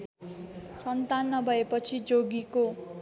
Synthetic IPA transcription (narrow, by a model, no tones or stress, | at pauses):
sʌnt̪anːʌbʱʌepʌt͡sʰid͡zoɡiko